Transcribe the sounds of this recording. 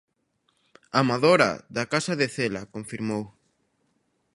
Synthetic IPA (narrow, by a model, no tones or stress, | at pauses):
amaðoɾɐ̰ðakasɐðeθelakoɱfiɾmow